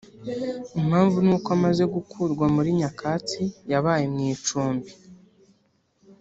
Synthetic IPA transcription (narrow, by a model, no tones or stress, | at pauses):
imhaːɱvunuːkoamaze̞ɡukʰuɾɡwamuɾiɲakʰaːt͡sijaβaːjemɲiːt͡ʃuːmbi